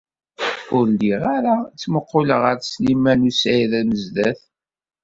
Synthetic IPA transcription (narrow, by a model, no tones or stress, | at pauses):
ʊɾliʁaɾat͡sːməqːoləʁəɾslimænusæjðæməzðæθ